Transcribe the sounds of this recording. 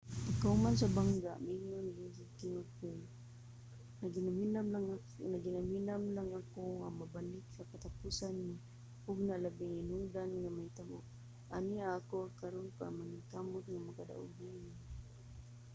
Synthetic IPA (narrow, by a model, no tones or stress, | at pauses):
akaumans̬abaŋɡaʔmiŋʊnɡisakɪnupʊ | naɡinaminamlaŋa | naɡinaminamlaŋakoŋamabanɪksakat̪apusanːi | ʊɡnalabiŋinudanŋamait̪amʊ̰ | ʔaniaːkoakaɾoŋka̰maŋit̪amʊt̪̚ŋamakada̰ʔṵɡini